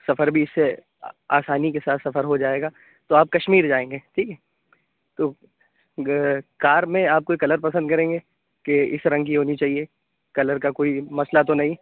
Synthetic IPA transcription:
sɐfəɾbʱiɪsːe | aːsaːnikesaːt̪ʰsɐfəɾɦod͡ʒaːeːɡaː | t̪oaːp̚kɐʃmiːɾd͡ʒaːẽːŋɡeːʈʰiːkɦɛː | t̪oː | kaːɾmẽaːp̚koːikɐləɾpɐsə̃nd̪̚kɐɾẽːŋɡeː | keɪsɾɐ̃ŋkiɦoːnit͡ʃaːɦie | kɐləɾkakoːimɐslat̪onɐɦĩ

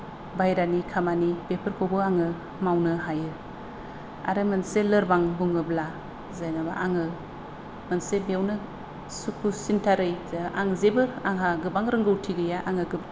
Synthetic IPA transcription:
bajɾanikʰamanipepʰɯɾkʰowbɯaŋɯ | mawnɯɦajɯ | a̰ɾɯmɯnselɯɾbaŋbuŋɯbla | zajnabaʔaŋɯ | mɯnsebeawnɯ | sukʰusintʰaɾɯjaŋzebɯɾaŋɦaɡɯbaŋɾɯŋɡɯwtʰiɡɯjaʔaŋɯɡɯb

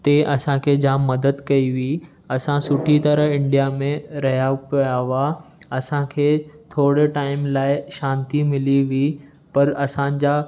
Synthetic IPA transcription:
t̪eʔɐsãkʰeːd͡ʑaːmːɐd̪əd̪kɐiʋi | ɐsãsʊʈʰit̪ɐɾəɦɪ̃ɳɖijamẽɾɐɦjapjaʋa | ɐsãkʰeːt̪ʰoːɽeʈaːɪmlaːɪʃãːnt̪imɪliʋi | pɐɾɐsãd͡ʑa

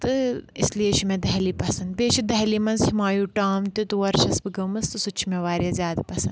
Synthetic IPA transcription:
t̪ɨɪslieʃʰimẽd̪ɐɦliːpɐsɐnd̪̚beːʃid̪ɐɦlimɐnzhimaːjuːʈaːmt̪ut̪uʋɐɾʃɐsbɨɡɐmɐst̪ɨsut͡ʃʰimeʋaːɾjɐzʲjaːd̪pɐsɐnd̪

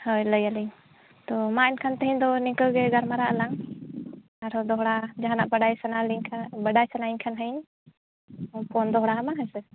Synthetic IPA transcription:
hɔjləjaliɲ | t̪ɔmainkʰant̪əɦĩɲd̪ɔnikəɡɛɡaɾmaɾaʔəlaŋ | aɾɔd̪ɔɦɽad͡ʒaɦanaʔbəɖajsənaliɲʰbəɖajsənaiɲkʰanɦəɲ | pʰɔnd̪ɔɦɽaɦamaɦəjsɛ

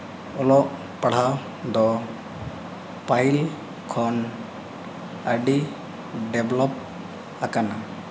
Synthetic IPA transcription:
ɔlɔʔ | paɽ̤a | d̪ɔ | paɦil | kʰɔn | aɖi | ɖeblɔp̚ | akana

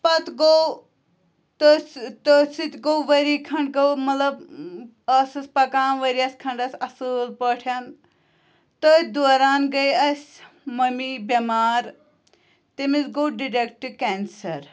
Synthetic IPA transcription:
pɐt̪ɡow | t̪ost̪osit̪ʲɡowʋɐɾikʰɐɳɖɡɐwmɐt̪lɐb | ɐsɐsʲpɐkaːnʋɐɾiɐsʲkʰɐɳɖɐsʲɐsɨlpəʈʰjɐn | t̪ot̪d̪oːɾaːnɡɐjɐsʲ | mɐmibɐmaːɾ | t̪imisɡowɖiɾekʈkɛːnsɐɾ

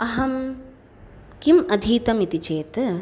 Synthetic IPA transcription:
ɐɦɐm | kimɐd̪ʱiːt̪ɐmit̪it͡ʃeːt̪

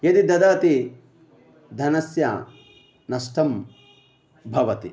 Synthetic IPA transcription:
jɐd̪id̪ɐd̪aːt̪i | d̪ʱɐnɐsjɐ̰ | nɐsʈʰɐm | bʱɐʋɐt̪i

